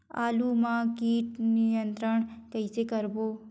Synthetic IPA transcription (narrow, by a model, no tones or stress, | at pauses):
a̰ːlumãkiːʈnijənt̪ɾəɳ̃kɐisekəɾboː